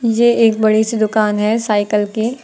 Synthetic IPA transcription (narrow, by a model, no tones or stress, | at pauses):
jeeːk̚bɐɽisid̪ʊkaːnɦɛsaːɪkəlki